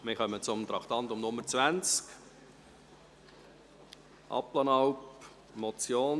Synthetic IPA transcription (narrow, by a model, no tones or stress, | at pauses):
mɪχœmət͡sʊmt̪ɾɑkt̪ɑnt̪ʊmnʊmːəɾt͡svænt͡sk | ʔɑ̰plɑnɑwp | mɔt͡sjoːn